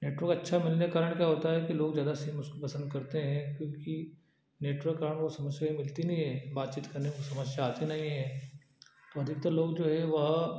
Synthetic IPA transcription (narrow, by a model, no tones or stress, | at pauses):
neːʈʋəɾkɐtːʃʰamɪlnekaːɾəɽ̃kjaɦoːt̪aɦɛkiloːɡzjaːd̪asiːmʊskopɐsə̃nd̪̚kɐɾt̪eɦɛ̃kjõːki | neːʈʋəɾkːaːɾəɳ̃kosɐməsjaimɪlt̪inɐɦĩɦɛ̃ːbaːt̪t͡ʃiːt̪kɐɾnekosɐməsjaːt̪enɐɦĩɦɛ̃ː | t̪oɐd̪ʱɪk̚t̪aloːɡd͡ʒoːɦɛʋɐɦ